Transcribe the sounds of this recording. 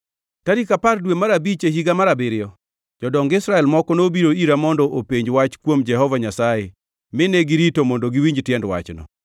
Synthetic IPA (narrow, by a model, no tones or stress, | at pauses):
taɾikapardwemaɾabit͡ʃeɦiɡamaɾabɪɾɪjɔ | d͡ʒɔdɔŋɡɪsɾaɛlmɔkɔnobiɾoiɾamɔndɔʔopeɲd͡ʒwat͡ʃkwomd͡ʒɛɦɔvaɲasaje | mɪneɡɪɾitomɔndoɡɪwiɲd͡ʒtjɛndwa̰t͡ʃnɔ̰